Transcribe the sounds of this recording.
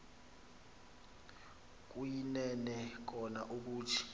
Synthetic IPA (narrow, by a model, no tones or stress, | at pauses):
k̬ʼujinɛnɛk̬ɔnaʔuk̬uːtʰi̥